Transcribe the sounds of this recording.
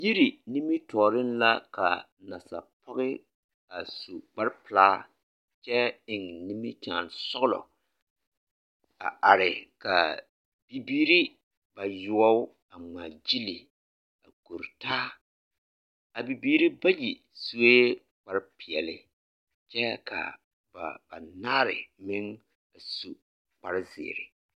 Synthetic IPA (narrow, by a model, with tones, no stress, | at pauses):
ji˦ɾi˨ni˦mi˦tɔː˨ɾɪ˦nla˦ka̰˨ | na˨sa̰˨pʰɔ˦ɣɪ˦ | a˨su˨k͡pa˦ɾpɨ˨laː˦ | t͡ʃɛ˦ɪ˨ŋni˦mɪ˦t͡ʃa̰ː˨nsɔ˦ɣlɔ̰˨ | a̰˨a˨ɾɪ˨ka̰˨ | b̥i˨biː˦ɾi˦ | ba˨jʊ˨ɔ˦ | a˨ŋ͡ma˨d͡ʒi˦li˨ | a̰˨ko˨ɾtaː˦ | a˨bi˨biː˦ɾi˦ba˦ji˨ | su˦e˦ | k͡pa˨ɾɪ˦pɪ˨ɛ˨lɪ˦ | t͡ʃɛ˦kʰa̰˨ | ba˨ba˨naː˦ɾɪ̰˨mɪ˦ŋ | a˨su˨ | k͡pa˨ɾɪ˦zɪ̰ː˨ɾɪ̰˨